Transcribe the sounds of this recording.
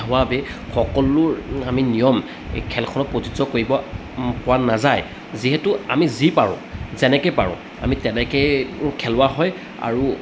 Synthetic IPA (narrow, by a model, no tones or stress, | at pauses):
ɦʊwabɛxɔkɔlʊɹaminijɔm | kʰɛlkʰɔnɔpotizɔkoɹibɔ | pʊwanazaj | ziɦɛtʊa̰mizipaɹʊ̰̃zɛnɛkɛpa̰ɹʊ̰̃ | a̰mitɛnɛkɛkʰɛlʊwaɦɔj | a̰ɹu